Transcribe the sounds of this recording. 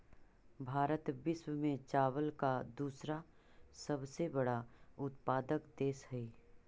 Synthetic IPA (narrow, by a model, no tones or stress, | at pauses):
bʱaːɾət̪bɪswəmẽt͡ʃaːwəlkad̪uːsɾa | səbsebɐɽaʊt̪̚paːd̪əkd̪eːsɦɛi